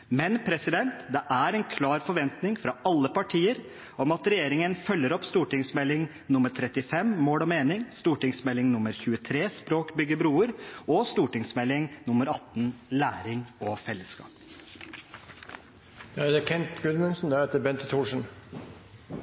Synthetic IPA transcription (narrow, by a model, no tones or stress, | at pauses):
mɛnpʰɾɛsɪd̪ɛnt̪d̪ɛʔæɾɛnkʰlɑːɾfɔɾʋɛnt̪nɪŋfɾɑɑlːəpɑʈʰiːəɾ | ɔmɑt̪ɾɛjeːɾɪŋənfœlːəɾɔpst̪uːʈɪŋsmɛlːɪŋ | nʊməʈ̪ʰɾɛt̪ɪfɛmmoːlɔmeːnɪŋst̪uːʈɪŋsmɛlːɪŋnʊmːəɾçʉːət̪ʰɾeːspɾoːkbʏɡəbɾuːəɾɔst̪uːʈɪŋsmɛlːɪŋnʊməɾɑt̪ːnlæːɾɪŋɔfɛlːəskɑ̰ːp | d̪ɛæd̪ɛkʰɛnt̪ɡʉnmʉnsn̩d̪æɾheːt̪əɾbɛnt̪t̪ʰuːʂn̩